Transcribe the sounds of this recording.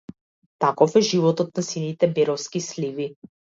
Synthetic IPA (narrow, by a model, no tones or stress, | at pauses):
t̪akɔfɛʒivɔt̪ɔt̪̚nasinit̪ɛbɛɾɔfskislivi